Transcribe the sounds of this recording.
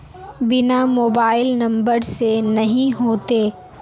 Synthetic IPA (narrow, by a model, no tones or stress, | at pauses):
bɪnamoːbaːɪlnɐ̃mbəɾsenɐɦĩɦoːt̪eː